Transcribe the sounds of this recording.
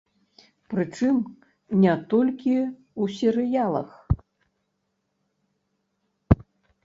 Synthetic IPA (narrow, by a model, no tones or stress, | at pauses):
pɾɨt͡ʂɨm | nʲɛt̪ɔlʲkʲi | usʲɛɾɨjalˠɐ̰x